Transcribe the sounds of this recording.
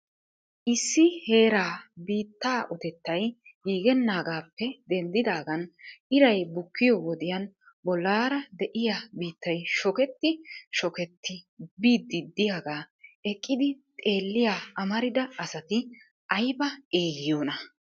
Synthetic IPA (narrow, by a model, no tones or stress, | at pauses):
ʔɪsːɪhe̞ːɾaːbiːt̪ːaːʔɔt̪ɛt̪ːɐjɡiːɡɛnːaːɡaːpːɛd̪ɛnd̪ɪd̪aːɡɐnɪɾɐjbʊkːɪjɔwɔd̪ɪjɐn | bɔlːaːɾɐd̪ɛʔɪjabiːt̪ːɐjʃɔkɛt̪ːɪʃɔkɛt̪ːɪbiːd̪ːɪd̪ːɪjaːɡaːɛkʼːɪd̪ɪt̪ʼe̞ːlːɪjaːɐmɐɾɪd̪ɐɐsɐt̪ɪ | ʔɐjbɐeːɡɪjoːnɐ